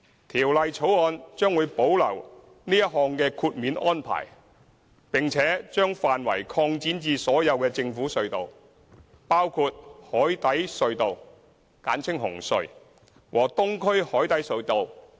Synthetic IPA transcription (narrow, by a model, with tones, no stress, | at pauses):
t̪ʰiː˨˩wlɐ˨jt͡sʰo˨˥wɔː˧nt͡ʃœː˥ŋwu˨˧jpo˨˥wlɐ̰˨˩w | niː˥jɐ˥t̚ɦɔː˧ŋkɛː˧kʰuː˧t̚miː˨˧nʔɔː˥npʰa̰ː˨˩j | pɪ˨ŋt͡sʰɛː˨˥t͡ʃœː˥ŋfaː˨nwɐ̰˨˩jkʰɔː˧ŋt͡siː˨˥nt͡siː˧sɔː˨˥jɐ˨˧wkɛː˧t͡sɪ˧ŋfuː˨˥sɵ˧ɥt̪o˨w | paː˥wkʰu˧t̚hɔː˨˥jt̪ɐ˨˥jsɵ˧ɥt̪o˨w | ka̰ː˨˥nt͡sʰɪ˥ŋɦʊ˨˩ŋsɵ̰˨ɥ | wʔɔː˨˩t̪ʊ˥ŋkʰɵ˥ɥhɔː˨˥jt̪ɐ˨˥jsɵ˧ɥt̪o˨w